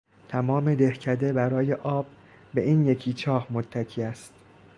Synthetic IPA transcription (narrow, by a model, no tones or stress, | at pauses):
t̪ʰæmɒːme̞d̪e̞hcʰæd̪e̞bæɾɒːje̞ʔɒːb̚ː | e̞ʔiːnje̞cʰiːt͡ʃʰɒːhmot̪ʰːæcʰiːæst̪